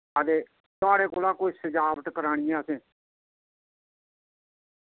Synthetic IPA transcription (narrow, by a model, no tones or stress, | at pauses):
əd̪eː | t̪ʊaːɽeːkoːlaːkoːisəd͡ʒaːbəʈ̪kəɾaːɽ̃ɪjãːsẽː